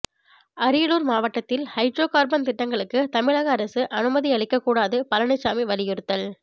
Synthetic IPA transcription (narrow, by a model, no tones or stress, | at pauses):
ɐɾɪjɐɭuːɾmaːʋɐʈːɐt̪ːɪlhɐɪɖɾoːkaːɾbɐnt̪ɪʈːɐŋɡɐɭɯkːɯt̪ɐmɪɻaːɣɐːɾɐsɯʔɐnɯmɐðiɐɭɪkːɐkːuːɽaːðɯpɐlɐnɐt͡ʃːaːmiʋɐlɪjɯɾɯt̪ːɐl